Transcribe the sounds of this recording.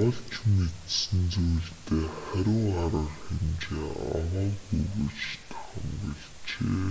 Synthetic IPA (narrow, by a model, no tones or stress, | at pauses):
ɔɮt͡ɕʰmet̪sɘ̆nt͡sujɮt̪ʰeːχæɾʲɪ̆ŋaɾə̆rxemt͡ɕeːɔ̰məːɣujɣuːt͡ɕt̪ʰæ̥χə̆mpɔɮ | t͡ɕeː